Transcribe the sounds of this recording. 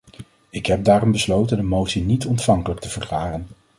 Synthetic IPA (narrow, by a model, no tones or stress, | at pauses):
ɪkɦɛb̚daːrɔmbəslowtəndəmowtsinitɔntfɑŋkələk̚təv̥əɹklaːrən